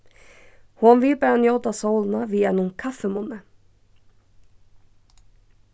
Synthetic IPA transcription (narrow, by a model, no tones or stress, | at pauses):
hɔnvɪlpæːɾanjoːwt̪asowlnaviɛnʊŋkʰafːɛmʊnːɛ